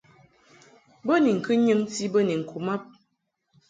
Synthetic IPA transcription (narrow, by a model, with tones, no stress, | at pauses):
bə˦ni˨ŋ̩˨kɨ˦ɲɨ˦mti˦bə˦ni˨ŋ̩˨kʰu˨ma˦p̚